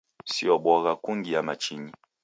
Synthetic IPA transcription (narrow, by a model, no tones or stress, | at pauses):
siɔbwɔɣakuŋɡiamat͡ʃiɲi